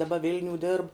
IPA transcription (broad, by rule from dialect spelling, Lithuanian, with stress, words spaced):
dɐˈbɐ ˈʋʲɪlʲnʲuː dʲɪrp